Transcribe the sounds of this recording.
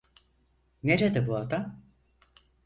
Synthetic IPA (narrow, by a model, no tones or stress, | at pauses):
neɾed̪ɪbuad̪am